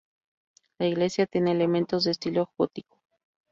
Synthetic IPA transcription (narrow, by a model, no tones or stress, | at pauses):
laiɣle̞sjat̪je̞neːle̞mẽnt̪o̞zðeːst̪iloxot̪iko̥